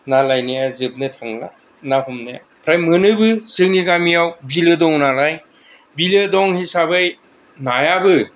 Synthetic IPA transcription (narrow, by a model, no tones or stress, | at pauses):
nalajnajazɯb̚nɯtʰaŋla̰ | naɦumnaja̰ | pʰɾajmɯnɯbɯsɯŋniɡamijawbilɯdɔŋnalaj | bilɯdɔŋhisabɯj | najabɯ